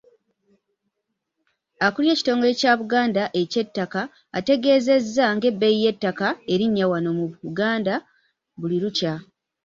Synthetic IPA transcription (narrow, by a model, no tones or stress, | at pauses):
akulje̞ːci̥to̞ːŋɡo̞le̞caβuɡaːndaʔe̞ce̞tːakaː | te̞ɡe̞ːze̞zːaŋɡe̞bːejije̞tːakae̞ɾiɲːawano̞muuɡaːnda | βuliɾuca